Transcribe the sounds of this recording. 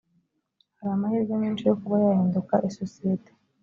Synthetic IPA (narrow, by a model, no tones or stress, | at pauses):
haɾaːmahiːɾɡomiːnt͡ʃijokuβajaheːndukaʔesosijete̥